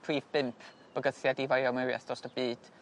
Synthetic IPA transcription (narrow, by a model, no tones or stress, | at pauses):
pʰriːvbɪmpʰ | b̥əɡəθjadivajɔmɪwja̰θdrɔstəb̥iːd̥